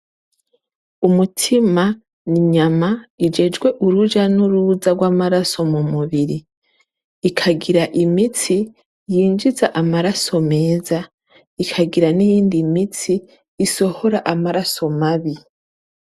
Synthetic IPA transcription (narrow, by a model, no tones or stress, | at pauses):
umutʰima | niɲamaid͡ʒe̞d͡ʒɡwe̞ʔuɾuʒanuɾuzaɡwaːmaɾaso̞mumuβiɾiː | kʰaɡiɾaʔimit͡si | jiːnd͡ʒizaʔamaɾaso̞me̞ːza | ikʰaɡiɾanijiːndimit͡siː | so̞ho̞ɾaʔamaɾaso̞maβi